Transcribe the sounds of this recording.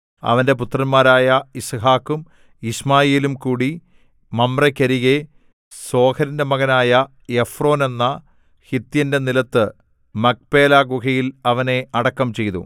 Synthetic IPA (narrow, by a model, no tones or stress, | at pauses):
ɐ̰ʋɐnde̞put̪ːrɐnmaːɾaːjɐisɦaːkːum | ismaːjeːlumkuːɽi | mɐmrɐkʲːɐɾiɣe | so̞ːkʰɐɾindemɐɣɐnaːjɐ | efro̞ːne̞nːɐ | hit̪ːjɐnde̞nilɐt̪ːɨ | mɐk̚pe̞ːlaːɡukɐjilɐʋɐne̞ɐɽɐkːɐmt͡ɕe̞jt̪ṵ